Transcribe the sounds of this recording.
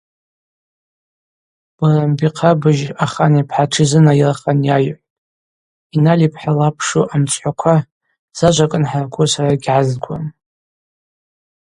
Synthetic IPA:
b̥arambiqʰabɨʒaχanipʰħaʈ͡ʂʰizɨnajiraχanjajʕ | inalipʰħalapʰʂuʔamt͡sʷʰʼħʷakʷʰa | z̥aʒʷakʼɨnħarkʷʰʼusaraɡʲʕazɡʷa̰n

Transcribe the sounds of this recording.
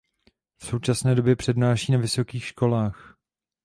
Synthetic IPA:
fso̞wt͡ʃasnɛːdo̞bjɛpr̝̥ɛdnaːʃiːnavɪso̞kiːxʃko̞laːx

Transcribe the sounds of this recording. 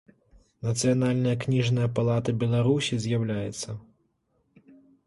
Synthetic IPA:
nɐt̪sɨjanalʲnɐjɐknʲiʐnɐjɐpalˠat̪ɐbʲɛlˠaɾusʲizʲjawlʲajɛt̪sːɐ

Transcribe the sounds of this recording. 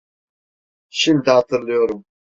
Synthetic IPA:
ɕimd̪aːt̪ʰɨɾlijoɾum

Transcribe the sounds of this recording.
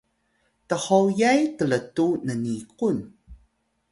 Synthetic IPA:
təhowjajtələtunənikun

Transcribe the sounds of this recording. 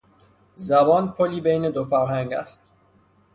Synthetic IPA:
zæbɒːnpʰoliːbejned̪ofæɾɦæŋɡæ̰st̪̚

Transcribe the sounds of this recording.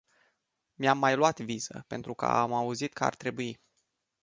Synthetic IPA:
mjamːajluat̪viz̥ə̰pe̞nt̪ɾukə̰a̰mauzit̪kəa̰rt̪ɾe̞buji

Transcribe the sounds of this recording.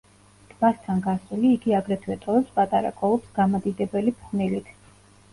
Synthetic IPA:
d̪̥ʰbast̪ʰanɡasuliːɡiaɡɾɛt̪ʰwɛt̪ʼɔɛpspʼat̪ʼaɾa̰kʼɔlˠɔpsɡ̥amad̪id̪ɛbɛlipʰχnilit̪ʰ

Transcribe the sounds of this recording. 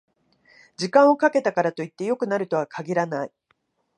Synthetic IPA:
d͡ʑikãɰ̃o̞kake̞t̪akaɾat̪o̞it̪ːe̞jo̞kɯ̟naɾɯ̟t̪o̞βakʰaɡʲiɾanai

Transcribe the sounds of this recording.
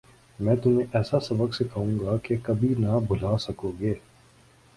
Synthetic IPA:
mɛ̃ːt̪ʊmẽʔɛːsasɐbəksekɐɦũːɡakekɐbʱinabʱʊl̤aːsɐkoːɡeː

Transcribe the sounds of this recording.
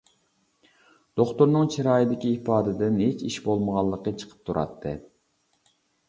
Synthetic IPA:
d̪̥oχt̪uɾnɨŋt͡ʃʰiɾɑːjid̪ɪkʲiːpʰɑːd̪ɪd̪ɪnhet͡ʃʰiʃbolˠməʁɑlˠːəqːət͡ʃʰə̥qʰə̥p̚t̪ʰuɾʔɑ̰t̪ʰːɨ̰

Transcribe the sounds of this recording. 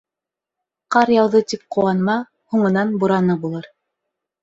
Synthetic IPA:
qɑɾjɑwðɤt̪ip̚qŏwɑnmɑ | huɴɤ̆nɑnbuɾɑnɑbulˠɤɾ

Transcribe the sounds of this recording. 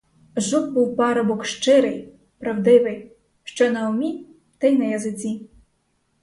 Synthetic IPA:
ʒuk̚buwpɑɾɔbɔkʃt͡ʃɪɾɪj | pɾɐwd̪ɪʋɪj | ʃt͡ʃɔnɐʊmʲi | t̪ɐjnɐjɐzɪt͡sʲi

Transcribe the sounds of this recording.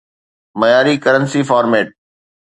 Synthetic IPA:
mɐjaːɾikəɾənsiːfaːɾmeːʈ̚

